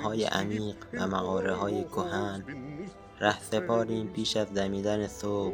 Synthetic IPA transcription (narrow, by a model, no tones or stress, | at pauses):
hɒːjḛʔæ̰miːɢvæmæɣɒːɾeɦɒːjekʰoɦæn | ræhsepʰɒːɾiːmpʰiːʃæzd̪æmiːd̪ænesoːb